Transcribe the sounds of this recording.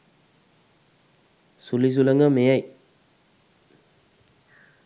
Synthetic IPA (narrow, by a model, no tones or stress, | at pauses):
sulizulɐŋɐmejaj